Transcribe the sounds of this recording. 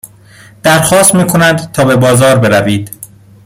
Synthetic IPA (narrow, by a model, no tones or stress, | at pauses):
d̪̥æɾxɒːst̪miːkʰo̞nænd̪t̪ʰɒːbe̞bɒːzɒːɾbe̞ɾæviːd̪̥